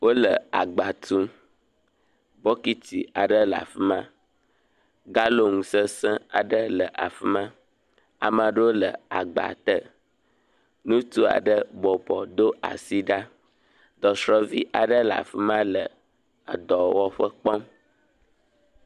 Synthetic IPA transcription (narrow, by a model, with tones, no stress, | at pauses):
wo˦lə˨a˨ɡ͡ba˨t̪ũ˦ | bɔ˦ki˦t̪ḭ˨a˨ɖə˦la̰˨fi˦mã˦ | ɡa˦lo˦ŋũ˨sə˦sɛ̃˦a˨ɖə˦lə˨ʔa̰˨fi˦mã˦ | a̰˨mã˨ɖə˦wo˦lə̰˨a˨ɡ͡ba̰˨t̪ə˦ | nũ˦t̪u˦a̰˨ɖə˦bɔ˨bɔ˨d̪o˦a̰˨si˦ɖa˦ | d̪ɔ˨sɾɔ˦vi˦ʔa˨ɖə˦la̰˨fi˦mã˦lə˨ | a̰˨d̪ɔ˨wɔ˦ɸə˦k͡pɔ˦m